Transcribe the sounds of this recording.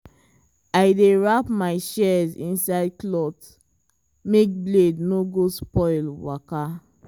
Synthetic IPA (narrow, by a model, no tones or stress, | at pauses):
aɪdeɹapmaɪʃɛzḭ̃nsaɪdklɔt | mek̚blednoɡospɔɪlwaka